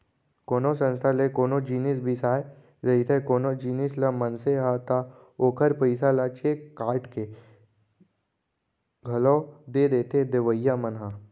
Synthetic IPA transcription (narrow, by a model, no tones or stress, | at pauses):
koːnosə̃nst̪ʰalekoːnod͡ʒiːnɪs̬bʱisaːe | ɾɐit̪ʰekoːnod͡ʒiːnɪslamənseɦat̪a | oːkʰəɾpəɪsalat͡ʃʰekaːɾʈke | ɡʱɐlɔːd̪ed̪eːt̪ʰed̪eʋəjamənɦã